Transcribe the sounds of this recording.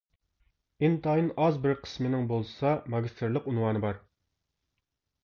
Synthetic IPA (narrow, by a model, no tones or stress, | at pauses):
ɪnt̪ɑːjinɑzbɪɾqʰə̥smɪnɪŋbolˠsɑmɑɡʲist̪ʰɨɾlˠəqunwɑːnɨbɑɾ